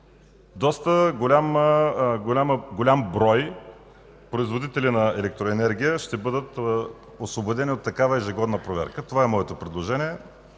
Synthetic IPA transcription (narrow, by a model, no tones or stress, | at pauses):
d̪ɔst̪əɡolʲam | ɡolʲamɡolʲambɾɔj | pɾoizvod̪it̪ɛlinɐɛlɛk̚t̪ɾoɛnɛɾɡʲijəʃt̪ɛbɤd̪ət̪ | osvobod̪ɛnʲiot̪ːɐkavəɛʒɪɡɔd̪nəpɾovɛ̰ɾkət̪ovaɛmɔɛt̪opɾɛd̪lˠoʒɛnʲiɛ